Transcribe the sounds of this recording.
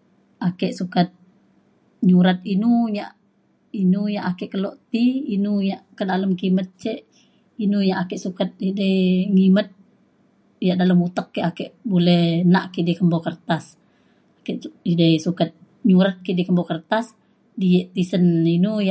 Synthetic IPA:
ʔakɛʔsukat̪̚ | ɲuɾat̪̚inuɲaʔ | inujaʔakɛʔkəlɔʔt̪iinujaʔkədaləmkimət̪̚t͡ʃɛʔ | inujaʔakɛʔsukat̪̚idəjŋimət̪̚ | jaʔdaləmut̪əkːɛʔakɛʔbulɛhnaʔkiʔdikəmbɔkərt̪as | akɛʔidəjsukat̪̚ | ɲuɾat̪̚kiʔdikəmbɔkərt̪as | dijɛʔt̪isəninuja

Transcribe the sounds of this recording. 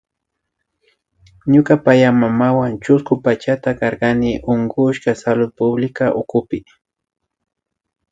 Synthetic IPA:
ɲʊkapajamamawant͡ʃʊskʊpat͡ʃat̪akɑɾɢɑnɪʔoŋɡʊʃkasalʊd̪̚pʊblɪkaʔʊkʊpɪ

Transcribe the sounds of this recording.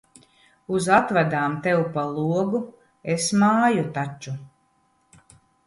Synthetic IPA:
uzat̪vad̪aːmt̪ɛwpalˠuɔɡu | esmaːjut̪at͡ʃːu

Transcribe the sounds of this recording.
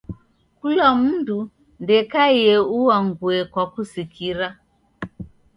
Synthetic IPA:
kulam̩ndu | ndɛkajɛuwaŋɡwɛkwakusikʰiɾa

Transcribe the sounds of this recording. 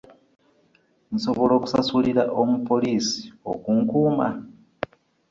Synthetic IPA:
nso̞βo̞lo̞ːku̥sasuliɾaʔomupo̞liːsi̥o̰kuŋkuːma̰

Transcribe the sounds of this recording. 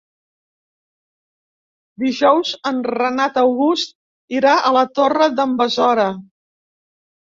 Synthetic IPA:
d̪iʒɔwzənrənat̪əwɣust̪̚ | iɾaʔələt̪orəðəmbəzɔɾə

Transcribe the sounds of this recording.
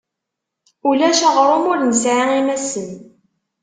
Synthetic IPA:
ulæʃɑʁɾˤomʊɾnəsʕiŋimæsən

